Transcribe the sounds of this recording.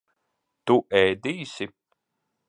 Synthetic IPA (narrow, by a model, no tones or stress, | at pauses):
t̪uʔɛjd̪iːsi